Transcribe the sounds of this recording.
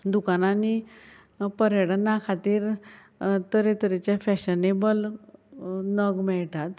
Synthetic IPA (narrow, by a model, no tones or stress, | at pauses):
d̪ukanani | pəɾeɽənːakʰat̪iːɾ | t̪əɾet̪əɾet͡ɕafɛɕənebəl | nəɡmɛɭt̪at̪